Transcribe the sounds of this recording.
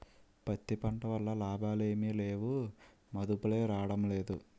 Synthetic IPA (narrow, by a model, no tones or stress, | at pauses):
pɐt̪ːipɐɳʈɐʋɐlːɐlaːbʱaːle̞ːmiːle̞ːʋu | mɐd̪upule̞ːɾaːɽɐmle̞ːd̪u